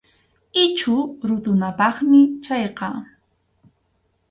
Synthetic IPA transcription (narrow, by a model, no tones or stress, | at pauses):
ɪt͡ʃʊɾʊt̪ʊnapɑχmɪt͡ʃɑjqɑ